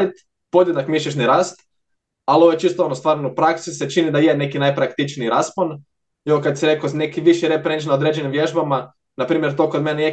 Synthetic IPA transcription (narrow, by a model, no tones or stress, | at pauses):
ɾit̪ | pod̪jed̪nakmiʃ̬ʎʲeʃ̬niɾaːst̪ | alioʋojt͡ʃist̪oonost̪ʋaːɾnoupɾaksiset͡ʃinid̪ajene̞kinajpɾakt̪it͡ʃniiɾaspon | eokad̪siɾekozne̞kiʋiʃiɾepɾent͡ʃnaod̪ɾed͡ʒenimʋje̞ʒbama | napɾiːmʲjeɾt̪o̞kod̪meneje